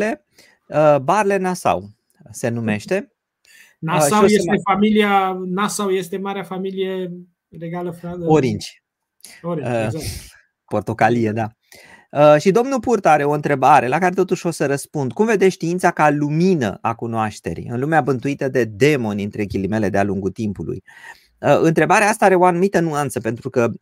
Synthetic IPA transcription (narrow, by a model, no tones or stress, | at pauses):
e̞ | əbarle̞nasa̰w | se̞nume̞ʃt̪e̞ | naʃsaojesefamilianasawje̞st̪e̞maɾeafamilije̞ | reɡaləfaoɾint͡ʃ | o | po̞rt̪o̞kalijed̪a | əʃid̪o̞mnupurt̪oaɾe̞o̞ɨnt̪ɾe̞baɾe̞lakaɾe̞t̪o̞t̪uʃʲo̞səɾəspund̪kumve̞d̪eʃt̪iint̪sakaluminə̰ʔakunoaʃt̪e̞̰ɾḭɨ̰nlumeabɨnt̪uit̪əd̪e̞d̪e̞mo̞nʲɨnt̪ɾekʲilime̞le̞d̪ealuŋɡut̪impulṵj | əɨnt̪ɾe̞baɾeaast̪aaɾe̞o̞anumit̪ənuant̪səpe̞nt̪ɾukə